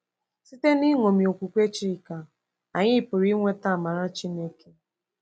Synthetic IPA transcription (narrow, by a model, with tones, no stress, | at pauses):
si˦te˦ni˦ŋo˨mjo˨kʷu˨kʷe˦t͡ʃi˦˨ka˨ | a˨ɲɪ˦pʊ˨ɾi˦ŋʷe˦ta˦˨ma˨ɾa˦t͡ʃi˦ne˦ke˦